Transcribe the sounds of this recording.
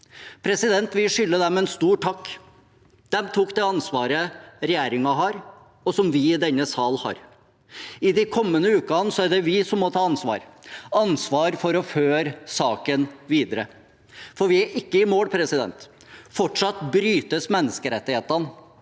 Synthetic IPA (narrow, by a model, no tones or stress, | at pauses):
pʰɾɛsɪd̪ɛnt̪ʋɪlʂʏlːəd̪ɛmɛɛnst̪uːʈʰɑkː | d̪̥ɛmt̪ʰuːkd̪ɛɑnsʋɑːɾəɾɛjæːɾɪŋɑɦɑɾ | ɔsɔmʋɪɪd̪ɛnːəsɑːlhɑ̰ɾ | ɪd̪ɪkʰɔmːənəʉːkɑnsɔæɖɛʋɪsɔmːɔt̪ʰɑːɑnsʋɑ̰ːɾɑnsʋɑːɾfɔɾɔføːɾsɑːkənʋiːd̪əɾə | fɔɾʋɪæɾʔɪkːəɪmoːlpʰɾɛsɪd̪ɛ̰nt̪ | fɔʈʂɑt̪bɾyːt̪əsmɛnːəskəɾɛt̪ːɪheːt̪ɑn